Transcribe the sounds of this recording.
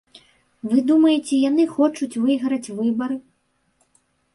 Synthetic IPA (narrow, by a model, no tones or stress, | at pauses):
vɨd̪umɐjɛt͡sʲɛjan̪ɨxɔt͡ʂut͡sʲvɨjɣɾɐt͡sʲvɨbɐɾɨ